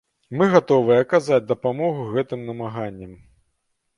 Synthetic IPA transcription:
mɨɣat̪ɔvɨjɛɐkazad͡zʲd̪ɐpamɔɣuɣɛt̪ɨmnɐmaɣanʲːɐm

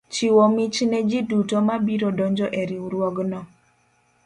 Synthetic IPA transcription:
t͡ʃiwɔmit͡ʃnɛd͡ʒidutomabiɾɔdɔɲd͡ʒɔʔeɾiuɾwɔɡnɔ

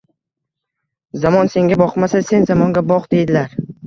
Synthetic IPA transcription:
zamɒnse̞ŋɡʲabɒqmasase̞nzamɒŋɡʲabɒqd̪e̞jd̪ɪlaɾ

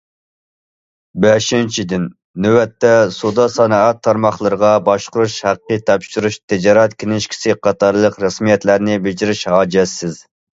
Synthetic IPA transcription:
bɛʃint͡ʃʰid̪ɪnː | øwɛt̪ːɛsud̪ɑsɑnɑɑt̪ʰːɑɾmɑχlˠəɾəʁɑbɑʃqʊɾuʃhæqːət̪ʰɑpʃyɾuʃt̪ʰɪd͡ʒɑɾɛt̪kʲʰenɪʃkʲʰi̥sɪqʰɑt̪ʰɑɾlˠəqɾɑsmijɛt̪læɾnɪbɪd͡ʒiɾɪʃhɑːd͡ʒɛsːɪz

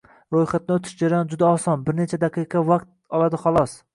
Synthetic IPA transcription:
ɾojχat̪̚nɪot̪ʰɪ̥ʃd͡ʒaɾajɒnd͡ʒʊd̪aɒsɒnbɪɾne̞t͡ʃʰad̪aqʰɨqʰɑvaqt̪̚ | ɒlˠad̪ɪχɒlˠɒs

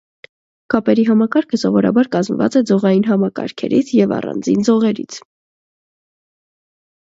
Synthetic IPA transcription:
kɑpɛɾiɦɑmɑkɑɾkʰəsɔvɔɾɑ̰bɑɾkɑzmvɑ̰t͡sɛd͡zɔʁɑjinɦɑmɑkɑ̰ɾkʰɛ̰ɾit͡sʰjɛvɑ̰rɑ̰nd͡zḭnd͡zɔʁɛɾḭt͡sʰ

